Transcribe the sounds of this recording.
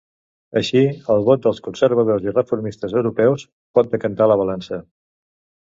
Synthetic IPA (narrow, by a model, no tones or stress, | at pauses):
əʃiəlˠβɔt̪̚d̪əlˠskunsəɾβ̞əðozirəfuɾmist̪əzəwɾupɛws | pɔt̪̚d̪əkənt̪aləβ̞əlansə